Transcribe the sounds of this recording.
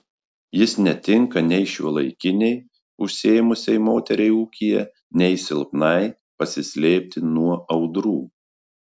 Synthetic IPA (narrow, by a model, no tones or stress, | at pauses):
jɪsnʲɛt̪ʲɪŋkɐnʲɛɪʃʲṵɔlˠɐɪkʲɪnʲɛɪ | ʊʃʲsʲeːjmʊsʲɛɪmoːt̪ʲɛɾʲɛɪuːkʲijɛ̰ | nʲɛɪsʲɪlˠpnɐɪ | pɐsʲɪsʲlʲeːpʲt̪ʲɪnuɔɐʊd̪ɾuː